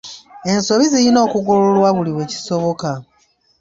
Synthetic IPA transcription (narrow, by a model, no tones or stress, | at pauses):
e̞nso̞βizijino̞ːkuɡololwaβuliwe̞ːci̥so̞βo̞ka